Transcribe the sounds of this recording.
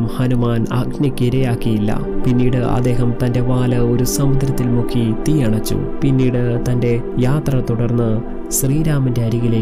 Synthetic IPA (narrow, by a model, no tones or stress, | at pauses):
mhɐnumaːnɐɡʱnɐkːiɾɐjaːkːijilːɐ̰pinːiːɽɨʔɐ̰d̪ːe̞ːɦɐmt̪ɐnde̞ʋaːlɐo̞ɾusɐmʋɐd̪ʱɾɐt̪ːilmokʰːit̪ijɐɳɐt͡ɕːṵpinːiːɽɨt̪ɐnde̞jaːt̪rɐt̪uɽɐrnːɨ | ɕriːɾaːmɐnde̞ɐɾiɣile